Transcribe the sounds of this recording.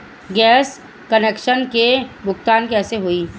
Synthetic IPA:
ɡɛːs | kəneːkʃənkebʊkt̪aːnkɛːseɦoiː

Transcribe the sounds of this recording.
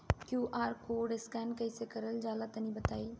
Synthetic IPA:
kjuːʔaːɾkoːɖɪskɛːnkɐisekɐɾəld͡ʒaːlat̪ɐnĩbɐt̪aːiː

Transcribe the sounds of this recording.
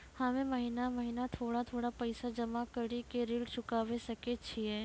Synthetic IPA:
hamẽmɐɦinamɐɦinat̪ʰoːɽat̪ʰoːɽapɐɪsad͡ʒɐmakɐɽikeɾiːlt͡ʃʰʊkaːʋesɐket͡ʃʰiɦɛː

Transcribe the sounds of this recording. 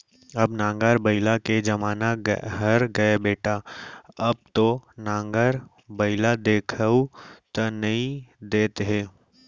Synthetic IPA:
ɐbnãːŋɡaɾbəɪlaked͡ʒɐmaːnaɦɐɾɡɐebeːʈaɐb̚t̪onãːŋɡəɾ | bəɪlad̪eːkʰəut̪ɐnɐĩd̪eːt̪ɦẽː

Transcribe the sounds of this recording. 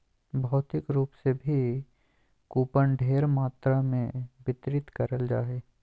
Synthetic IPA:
bʱɔːt̪ɪkɾuːpsebʱi | kuːpəɳɖʱeːɾmaːt̪ɾamẽbɪt̪ɾɪt̪kəɾəld͡ʒaːɦeː

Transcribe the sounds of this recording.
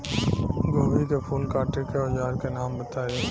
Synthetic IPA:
ɡoːʋikepʰuːlkaːʈekeod͡ʒaːɾkenaːmbət̪aːe

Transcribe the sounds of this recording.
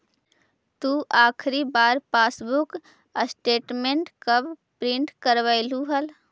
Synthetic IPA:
t̪uʔaːkʰɾibaːɾpaːsbʊk | əsʈeːʈmẽɳʈkəbpɾɪ̃ɳʈkəɾʋaɪluɦəl

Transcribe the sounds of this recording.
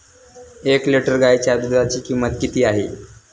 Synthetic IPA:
ekleʈəɾɡajt͡ɕjad̪ud̪ʱat͡ɕiːkimːət̪kit̪iːaɦḛ

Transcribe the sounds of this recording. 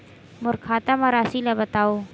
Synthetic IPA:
mʊɾkʰaːt̪əmaɾaːsilabɐt̪aːoː

